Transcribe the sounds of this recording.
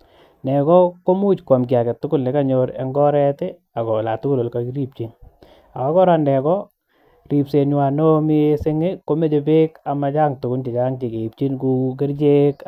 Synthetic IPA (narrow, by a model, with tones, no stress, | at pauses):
nɛ˨kɔ˦ko˦mu˦t͡ʃkwa˨mk̬ia˨kɛ˨tːʊ˦kʊ˦lne˨ka˦ɲoɾḛ˦ŋɡɔ˦ɾɛtɪ˦ | a˨kɔ˨la̰˨tʊ˦kʊ˦lo˨lkakiɾi˦p̚t͡ʃi˦n | a˨kɔ˦kɔ˦ɾandɛ˨kɔ | ri˨pse˨nwa˨no˦mi˦sɪ˦ŋɪ˦ko˦me˦t͡ʃe˨pe˦ka˨ma˨t͡ʃa˦ŋtʊ˨ɡʊ˦lt͡ʃi˨t͡ʃa˦ŋt͡ʃi˨ke˨i˨p̚t͡ʃi˦nku˧k̬ɪ˦ɾt͡ʃe˦k